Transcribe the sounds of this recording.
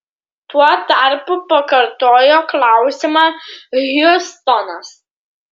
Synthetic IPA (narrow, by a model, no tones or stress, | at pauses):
t̪uɔt̪aɾpʊpɐkɐɾt̪oːjoklˠɑwsʲɪmɐɣʲʊst̪ɔnɐs